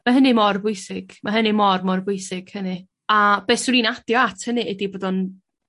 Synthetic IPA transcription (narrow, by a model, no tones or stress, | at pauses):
maɦənɨmɔrvʊjsɪɡ̥maɦənɨmɔrmɔrvʊjsɪɡ̥hənɨ | ab̥eːsɪɾiːnadjɔatʰhənɨʔɛdiboːdɔn